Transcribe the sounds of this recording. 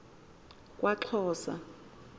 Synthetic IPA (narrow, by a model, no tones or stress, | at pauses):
kʼwʔaǁʰɔːsa̰